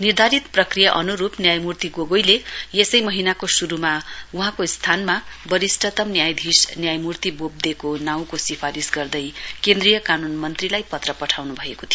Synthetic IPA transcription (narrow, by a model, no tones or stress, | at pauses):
nird̪ʱaɾit̪prʌkrijaʔʌnuɾupnjajmurt̪iɡoɡojlejesʌjmʌɦinakosuɾumauɦãkost̪ʰanmabʌɾisʈʰʌt̪ʌmnjajd̪ʱisnjajmurt̪ibob̚d̪ekonaw̃kosipʰaɾisɡʌrd̪ʌjkend̪rijʌkanunmʌnt̪rilajpʌt̪rʌpʌʈʰawnubʱʌekot̪ʰijo